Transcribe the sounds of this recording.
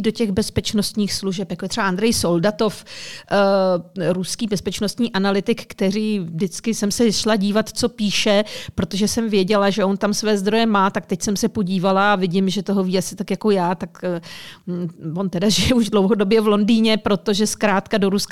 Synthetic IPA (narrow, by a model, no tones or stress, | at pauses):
do̞cɛɣbɛspɛt͡ʃnost̪ɲiːxsluʒɛpjakojɛt̪rɛbaʔand̪ɾɛjso̞ldat̪o̞f | ɾuskiːbɛspɛt͡ʃno̞st̪ɲiːʔanalɪt̪ɪkːt̪ɛɾiːvdɪt͡skɪsɛmsɛʃlaɟiːvat̪t͡so̞piːʃɛpɾo̞t̪o̞ʒɛsɛmvjɛɟɛlaʒɛʔo̞nt̪amsvɛːzd̪ɾo̞jɛmaːt̪ak̚t̪ɛcsɛmsɛpo̞ɟiːvalaːvɪɟɪmʒɛt̪o̞ɦo̞viːasɪ̥t̪akjako̞jaːt̪ak | vo̞nt̪ɛdaʒɪjɛuʒdlowɦo̞do̞bjɛvlo̞ndiːɲɛpɾo̞t̪o̞ʒɛskɾaːt̪kado̞ɾusk